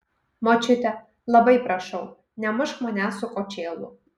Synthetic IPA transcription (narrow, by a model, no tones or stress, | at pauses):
mot͡ʃʲɪt̪ʲɛ | lˠɐbɐɪpɾɐʃɐʊ | nʲɛmʊʃmɐnʲæsʊkʼɔt͡ʃʲeːlˠʊ̰